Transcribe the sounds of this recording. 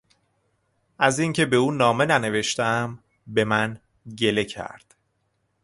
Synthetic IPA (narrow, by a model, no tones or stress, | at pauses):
ʔæziŋcʰe̞be̞uːnɒːme̞næne̞ve̞ʃt̪æm | be̞mæn | ɟe̞le̞cʰæ̰ɾd̪̥